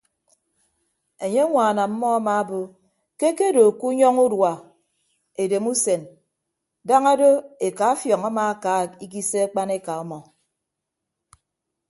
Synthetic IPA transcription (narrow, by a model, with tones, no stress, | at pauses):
e˨ɲe˦ŋʷaː˨na˨m̩˦mɔ˦a˦ma˨˦bo˦ | ke˦ke˦do˨ku˦ɲɔ˦ŋu˦dwa˨ | e˨de˨mu˦se˨n | da˦ŋa˦do˦e˨ka˨˦fjɔ˨ŋa˦maː˨a˦ka˨˦˨i˦k̬i˦se˦a˦k͡pa˦ne˦ka˨ɔ˦mɔ˨